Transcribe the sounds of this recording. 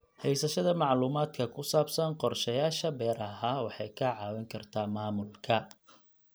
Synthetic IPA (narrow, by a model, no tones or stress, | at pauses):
hɛjsɐʃɐðɐmɑʕluːmaːd̪kʰɐkʰʊsaːbsɐnqɔrʃɐjaːʃɐbɛːɾɐɦaːwɑħɑjkʰɐʕɑːwɛŋkʰɐrt̪ʰaːmaːmʊlkʰɐ